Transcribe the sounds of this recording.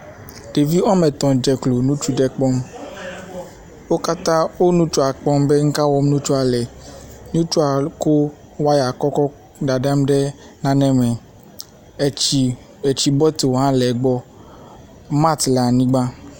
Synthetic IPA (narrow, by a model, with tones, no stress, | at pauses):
ɖ̥e˨vi˦ɔ˦mɛ˨t̪ɔ̃˨d͡ʒɛ˨klo˨nũ˦t͡ʃu˦ɖɛ˨k͡pɔ˦m | wo˦ka˦t̪ã˦wo˦nũ˦t͡ʃu˦a˨k͡pɔ˦mbe˦ŋ̩˦ka˦wɔ˦m˦nũ˦t͡ʃu˦a˨lɛ˨nũ˦t͡ʃu˦a˨ko˦ | wa˦ja˨kɔ˦kɔ˦ | ɖa˨ɖa˦mɖɛ˦ | nã˨nɛ̃˦mɛ˨ | e˨t͡ʃi˨bɔ˦t̪o˨ɦã˦lɛ˨ɡ͡bɔ˦ | ma˦t̪la˨nĩ˦ɡ͡bã˦